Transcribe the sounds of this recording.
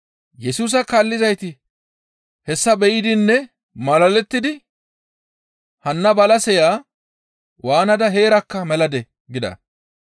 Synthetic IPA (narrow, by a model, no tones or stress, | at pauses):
jɛsuːs̬ɐkaːlːɪzɐjt̪ɪ | hɛsːɐbɛjɪd̪ɪnːɛ | mɐlɐlɛt̪ːɪd̪ɪ | hɐnːɐbɐlɐsɛjaː | waːnɐd̪ɐɦe̞ːɾɐkːɐmɛlɐd̪ɛ | ɡɪd̪ɐ̰